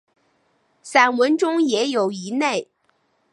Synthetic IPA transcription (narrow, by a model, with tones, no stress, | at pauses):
sa˨˩nwə˧˥nʈ͡ʂʊ˥ŋjɛ˧˥jo˨˩ʊi˧˥ne˥˩ɪ